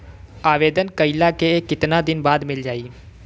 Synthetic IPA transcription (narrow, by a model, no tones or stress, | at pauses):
aːʋeːd̪ənkəɪlakekɪt̪nad̪ɪnbaːd̪mɪld͡ʒaːiː